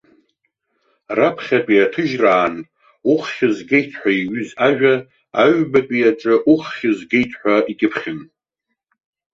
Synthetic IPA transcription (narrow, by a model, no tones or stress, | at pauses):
rapʰχʲapʼiatʰɨʒraːn | uχχʲɪzɡejtʰħʷᶣaiɥʏzaʒᶣa | aɥbapʼiaʈ͡ʂʼɨʔuχχʲɪzɡejtʰħʷᶣaʔikʲʼɪpʰχʲɪn